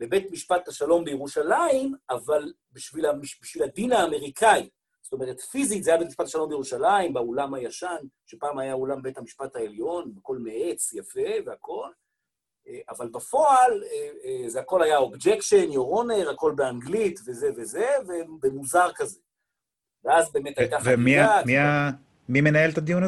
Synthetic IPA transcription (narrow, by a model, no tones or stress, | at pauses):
be̞betmiʃpat̪haʃalo̞mbejeʁuʃalaimaval | biʃvilamiʃbiʃvilad̪inaːme̞ʁikʰai | z̥ot̪o̞me̞ʁ̞etfizit̪zeajabet̪miʃpataʃalo̞mbejuʃalaimbaolamhajaʃanʃepaːmajaolambethamiʃpathaeljo̞nbeko̞lmeʔet͡sjafe̞veako̞l | eʔavalbafo̞alezeako̞lhajao̞bd͡ʒe̞kʃenjoʁo̞neʁhako̞lbeaŋɡlitve̞ze̞ve̞zeve̞bemuzaʁkaze | veazbe̞ːme̞t̪ajtaχvemiamia | mimenaelt̪ad̪ijun